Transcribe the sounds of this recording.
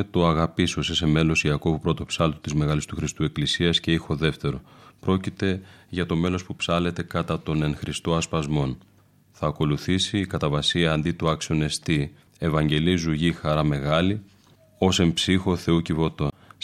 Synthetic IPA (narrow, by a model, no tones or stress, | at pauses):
t̪oɐɣɐpisosise̞me̞lo̞siɐko̞vupɾo̞t̪o̞psɐlt̪ot̪izme̞ɣɐlist̪uxɾist̪ue̞klisiɐsce̞ixo̞ðe̞ft̪e̞ɾo̞pɾo̞cit̪e̞ʝɐt̪o̞me̞lo̞spupsɐle̞t̪e̞kɐt̪ɐt̪o̞ne̞ŋxɾist̪o̞ɐspɐzmo̞n | θɐːko̞luθisiːkɐt̪ɐvɐsiɐːnd̪it̪uɐksione̞st̪i | e̞vɐɲɟe̞lizuʝixɐɾɐme̞ɣɐli | o̞se̞mpsixo̞θe̞ucivo̞t̪o̞